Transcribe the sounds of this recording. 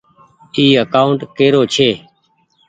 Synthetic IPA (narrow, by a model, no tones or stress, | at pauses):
iːəkaːʊɳʈkeːɾoːt͡ʃʰeː